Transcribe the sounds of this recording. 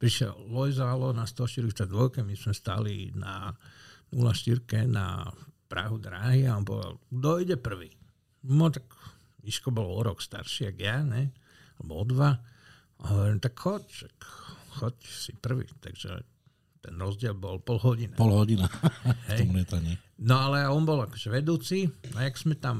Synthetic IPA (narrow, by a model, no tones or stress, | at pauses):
pɾiʃɛ̰llɔjzalɔnast̪ɔʃt̪iɾkit̪ad̪ʋɔjkɛmismɛst̪a̰lina | nulaʃt̪iɾkɛna̰pɾa̰ɦud̪ɾaːɦiaɔnpɔ̰ʋɛ̰d̪a̰ld̪ɔjɟɛpr̩ʋiː | mɔt̪aɡ | iʃkɔbɔlɔɔɾɔkst̪a̰ɾʃiaɡjaɲɛ | alɛ̰bɔɔd̪ʋa | aɦɔʋɔɾimt̪akxɔcʃakxɔcsipr̩ʋḭːt̪a̰ɡʒ̥ɛ̰ | t̪ɛnɾɔzɟɪɛlbɔlpɔlɦɔɟinapɔlɦɔɟinaɦɛjmɛt̪aɲɛ | nɔalɛaɔnbɔlakɔ̥ʒɛʋɛd̪uːt͡siajaksmɛt̪am